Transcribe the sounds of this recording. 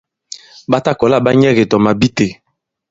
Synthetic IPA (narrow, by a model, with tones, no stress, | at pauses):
ba˦ta˦kɔ˨la˦˨ba˦ɲɛ˦ɣe˨tɔ˨ma˨bi˦te˨